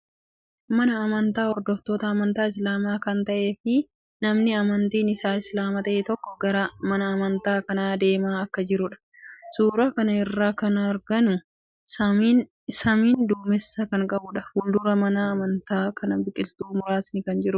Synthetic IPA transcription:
mɐnɐːmɐnt̪aːhɔɾd̪ɔft̪o̞ːt̪ɐːmɐnt̪aːɪs̬laːmaːkɐnt̪ɐʔe̞ːfɪ | nɐmnɪɐmɐnt̪iːnɪsaːɪslaːmɐt̪ɐʔeːt̪ɔkːɔɡɐɾɐmɐnɐːmɐnt̪aːkɐnaːd̪e̞ːmaːɐkːɐd͡ʒɪɾʊᶑɐ̥ | suːɾaːkɐnɐɪrːaːkɐnɐɾɡɐnʊ | sɐ | sɐmiːnd̪uːmɛsːɐkɐŋkʼɐbʊᶑɐfuːld̪ʊɾɐmɐnaɐmɐnt̪aːkʰɐnɐbɪkʼɪlt̪uːmʊɾaːsnɪkɐnd͡ʒɪɾʊ

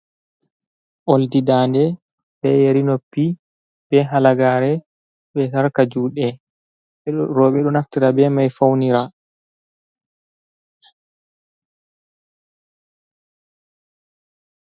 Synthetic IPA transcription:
ʔoldidaːndɛ | bɛjeɾinopːi | b̥ɛɦalaɡaːɾɛ | ɓɛsaɾkad͡ʒuːɗɛ | ɛɾɔɓɛɗɔnaftiɾabɛmajfawniɾa

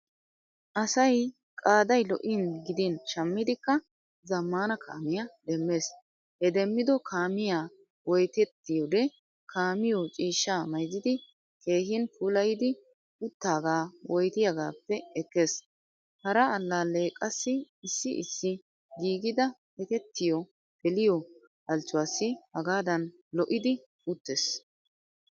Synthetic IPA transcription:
ʔɐsɐj | kʼaːd̪ɐjlɔ̰ʔɪnɡɪd̪ɪnʃɐmːɪd̪ɪkːɐ | zɐmːaːnɐkʰa̰ːmɪjɐd̪ɛmːeːs | hɛd̪ɛmːɪd̪ɔkʰaːmɪjaː | wɔjt̪ɛt̪ːɪjɔd̪ɛ | kʰaːmɪjɔt͡ʃʼiːʃːaːmɐjzɪd̪ɪ | ke̞ːhɪnpʰuːlɐjɪd̪ɪ | ʊt̪ːaːɡaːwʔɔjt̪ɪjaɡaːpːɛɛkːeːs | hɐɾɐːlːaːle̞ːkʼɐsːɪɪsːɪʔɪ̰sːɪ | ɡiːɡɪd̪ɐ | ɛkɛt̪ːɪjɔ | bɛlɪjɔ | ʔɐlt͡ʃːʊwaːsːɪhɐɡaːd̪ɐn | lɔʔɪd̪ɪ | ʊt̪ːeːs

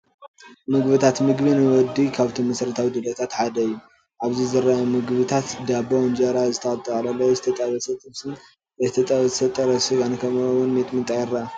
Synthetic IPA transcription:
mɨɡβɨt̪ʰat̪mɨɡbɨnɨwɔd̪ikʰaβt̪ʰomːɐsɾɐt̪ʰawid̪ɨd̪ɐt̪ʰat̪ħad̪ɐjːu | ʔaβzizɨɾaɐmɨɡβɨt̪ʰat̪d̪abɐnd͡ʒɐɾazɨt̪ʰɐχʼɐt̪ʼɨlɐlːɐwzɨ̥t̪ʰɐt̪ʼɐβɐsɐt̪ʼɨmsɨn | ɐzt̪ʰɐt̪ʼɐβzsɐt̪ʼɐɾɐsɨɡankʰɐmwʊnmet̪ʼmɨnt̪ʼajɛɾa

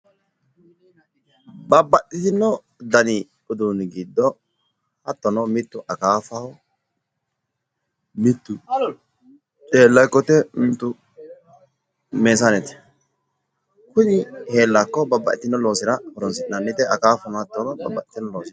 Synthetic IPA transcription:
bɐbːɐɗɪt̪ɪnːɔ | d̪ɐnɪ | ʊd̪uːnɡɪd̪ːɔ | hɐt̪ːɔnɔmɪt̪ːʊʔɐkaːfaɔ | mɪt̪ːʊ | t͡ʃʼeːlːɐjkːɔt̪ɛmɪt̪ːʊ | meːsanɛt̪ɛ̥ | kʊnɪhe̞ːlːakːɔbɐbːɐ̰ʔɪt̪ɪnːɔlo̞ːsɪɾɐhɔɾɔnsɪʔnɐnːɪt̪ɛʔɐkaːfɐnɔhɐt̪ːɔnɔbɐbːɐʔɪ̥t̪ɪnːɔloːsɪ

